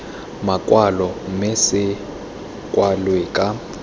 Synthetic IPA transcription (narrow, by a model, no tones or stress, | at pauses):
makʼwalɔmɛsɪ | kʼwalwɛkʼa